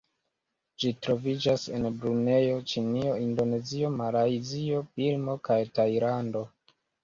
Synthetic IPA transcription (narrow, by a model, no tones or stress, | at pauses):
d͡ʒitɾo̞vid͡ʒase̞̰nbɾune̞jo̞t͡ʃinio̞indo̞ne̞zio̞maɾajzio̞pilmo̞kajtajɾando̞